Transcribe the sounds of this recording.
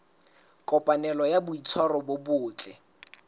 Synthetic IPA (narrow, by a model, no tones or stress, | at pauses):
kʼɔpʼanɛlɔjabʊit͡sʰɔrɔbobʊːt͡ɬʼɪ